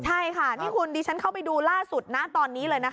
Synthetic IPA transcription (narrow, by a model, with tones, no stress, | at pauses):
t͡ɕʰa˥˩jkʰa˥˩niː˥˩kʰu˧ndiː˧t͡ɕʰa˦˥nkʰa˥˩wpa˧jduː˧laː˥˩su˨˩t̪̚na˦˥t̪ɔː˧nːiː˦˥lɤː˧jna˦˥k